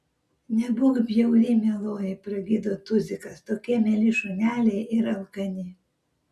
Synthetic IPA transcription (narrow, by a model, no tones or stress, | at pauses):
nʲɛbuɡbʲjɛʊlʲimʲɛlˠoːjɪpɾɐɡʲid̪ot̪ʊzʲɪkɐst̪okʲiɛmʲɛlʲiʃʊnʲæːlʲɛjʔɪɾɐlˠkɐnʲi